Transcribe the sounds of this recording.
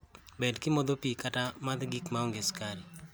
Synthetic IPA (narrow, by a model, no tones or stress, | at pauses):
bɛdkɪmɔd̪opikatamad̪ɡikmaɔŋɡeskaɾi